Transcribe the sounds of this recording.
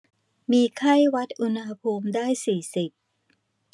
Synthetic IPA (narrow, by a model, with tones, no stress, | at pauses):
miː˧kʰa˥˩jwa˦˥t̪̚ʔu˧nha˧pʰuː˧mdaː˥˩jsiː˨˩si˨˩p̚